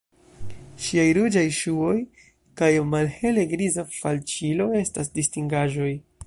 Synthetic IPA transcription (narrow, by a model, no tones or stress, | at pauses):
ʃiajɾud͡ʒajʃuo̞j | kajmalhe̞le̞ɡɾizafa̰lt͡ʃilo̞e̞stasdistiŋɡaʒo̞j